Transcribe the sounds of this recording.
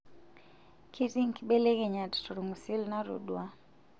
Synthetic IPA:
kʰi˦ti˦ŋ˨kiɓe˦le˦ke˨ɲa˨ttu˨ɾu˨ŋu˨si˦lna˦ɾṵ˨dwa˦

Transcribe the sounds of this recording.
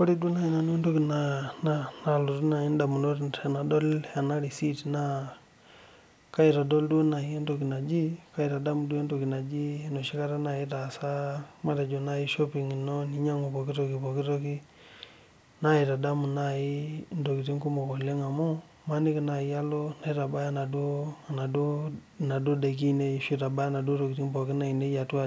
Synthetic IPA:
ko˦ɾi˦do˦na˨i˨na˨no˦n˦do˦ki˨na˨na˦na˨lo˨tu˦na˨i˦nda˨mu˨no˦tna˨na˨dɔ˦la˨na˦ɾi˨si˦tna˦ | ka˦i˨ta˨do˦ldu˦o˦na˨i˦e˦ndo˨ki˨na˨d͡ʒi˦ka˦i˨ta˨da˦mu˨du˦e˦ndo˨ki˨na˨d͡ʒi˦no˨ʃi˦ka˦ɾa˦na˨i˦ta˨sa˦ma˦ta˨d͡ʒo˨na˨i˦ʃɔ˦pi˨ŋi˨nɔ˦ni˨˦ɲa˦ŋo˨pɔ˨ki˦to˨ki˨po˨ki˦to˦ki˦ | na˦i˨ta˨da˦mu˨na˦˨i˦ndo˨ki˨ti˦ŋku˦mo˨kɔ˨le˦ŋa˨mu˦ | ma˦ni˦ki˨na˨i˦a˦lo˦na˨i˦ta˨ba˦ja˦na˨do˦˨na˨do˦ | na˨do˦de˨k̬i˦ne˦ʃi˦ta˨ba˦ja˦na˨do˦to˨ki˨ti˦mbɔ˨ki˦na˦˨i˨ne˦ja˨twa˦

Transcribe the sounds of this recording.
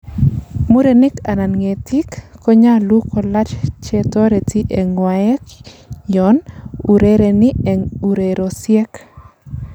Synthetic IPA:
mu˦ɾe˨ni˦ka˨na˨nŋe˨tʰi˦kːɔ˦ɲa˦lu˦kɔ˨la˦t͡ʃt͡ʃɛ˦tɔ˦ɾe˨ti˦ʔeŋwaɛ˦kjɔnu˨ɾeɾe˨niu˨ɾeɾo˨sjɛ˦k

